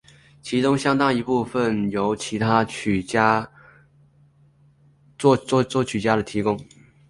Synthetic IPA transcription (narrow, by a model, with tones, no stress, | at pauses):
t͡ɕʰi˧˥ʈ͡ʂʊ˥ŋɕjɑ˥ŋt̪ɑ˥ŋi˧˥pu˥˧fə˨njo˧˥ʊt͡ɕʰi˧˥t̪ʰa˥t͡ɕʰy˨˩˥ | t͡sɔ˥˩t͡swɔ˥˩t͡ɕʰy˨˩t͡ɕja˥d̪ə˨t̪ʰi˧˥kʊ˥ŋ